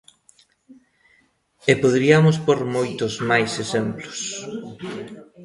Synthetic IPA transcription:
epoðɾiɐmʊspoɾmojt̪ʊzmajsesemplʊ̥s

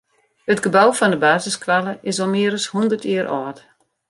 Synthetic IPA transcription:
ətɡəbawfɔndəbaːzɪskʰʋalˠəʔɪsomɪəɾəshundərtiəɾʔɔːt

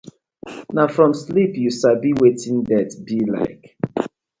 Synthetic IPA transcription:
nafɹɔ̃mslipjusabiwetʰĩndɛtbila̰ɪk

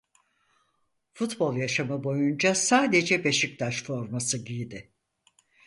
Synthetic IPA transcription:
fut̪bo̞lˠjaʃamɯbo̞jund͡ʒasaːd̪e̞d͡ʒɛbe̞ʃic̚t̪ʰaʃfo̞ɾmasɯɟijd̪ɪ

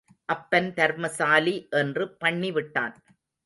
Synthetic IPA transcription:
ʔɐpːɐnt̪ɐɾmɐsaːliʔɛndrɯpɐɳːiʋɪʈːa̰ːn

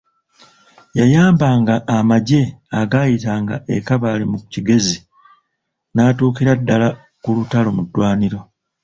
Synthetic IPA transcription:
jajaːmbaːŋɡaʔːmaɟe̞aɡajitaːŋɡa̰ʔekaβaːlimukuciɡe̞zi | naːtuːkiɾadːala | kulutalo̞mudːwaːniɾo̞

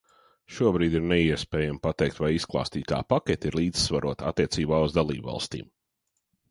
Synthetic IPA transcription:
ʃuɔbɾiːd̪iɾnɛiɛspɛːjampat̪ɛjk̚t̪vajisklˠɑ̰ːst̪iːt̪a̰ːpakʲɛt̪iɾlˠiːd̪z̥svaɾuɔt̪a̰t̪ːiɛt̪siːbaːuzd̪alˠḭːbva̰lˠst̪ḭːm

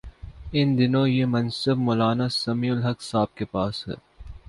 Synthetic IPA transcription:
ɪnd̪ɪnõjemɐnsəbmoːlaːnasɐmiːʊlɦɐksaːb̚kepaːsɦɛ̰ː

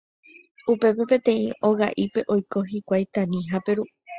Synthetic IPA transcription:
upe̞pe̞pẽ̞t̪ẽ̞ĩo̞ɣaʔipe̞ʔo̞jko̞ɦikʷajt̪ãnĩɦape̞ɾu

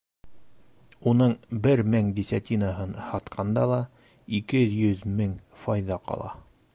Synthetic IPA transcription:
unɤɴbɘɾmæŋd̪ʲisʲat̪ʲinaɦɤnhɑt̪qʰɑnd̪ɑlˠɑ | ikɘjɵðmɘŋfɑjðɑqɑ̰lˠɑ̰

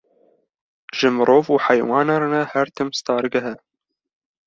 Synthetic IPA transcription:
ʒɨmɨɾʔoːvuːħajwɑːnaɾnɛhæɾt̪ʰɨmst̪ɑːɾɨɡɐɦɛ

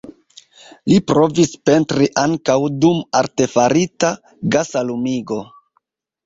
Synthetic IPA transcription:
lipɾo̞vispe̞ntɾiʔaŋkawdumaɾte̞faɾita | ɡasalumiɡo̞

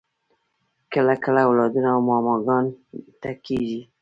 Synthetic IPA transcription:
kəlakəlawlɑd̪unawmɑmɑɡɑnt̪akeʒi

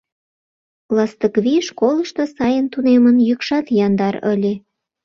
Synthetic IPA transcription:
lˠɑst̪əkβiʃkolə̆ʃt̪osɑjənt̪unemənjykʃɑt̪jɑnd̪ɑɾə̰lʲe

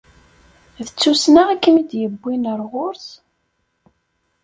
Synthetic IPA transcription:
ðət͡sːusnaʁækːəmid̪jəbːinəɾˤʁoɾs

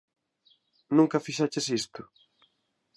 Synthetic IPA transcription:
nũŋkɐfiʃat͡ʃesist̪ʊ

